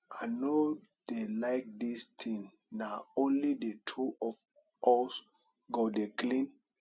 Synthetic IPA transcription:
ano | d̥elaɪk̚dist̪ʰĩŋ | naõnlidetʰuɔf | ɔs | ɡodeklĩn

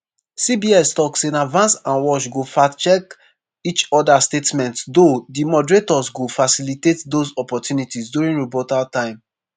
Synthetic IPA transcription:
sibiɛstɔksẽnadvãnsãnwɔʃɡofat͡ʃɛk | it͡ʃɔdastetmɛ̃ntdodimɔdɹetɔsɡofasilitetdosɔpɔtʰjunitisdjuɹĩnɹobɔtaltãɪ̃m

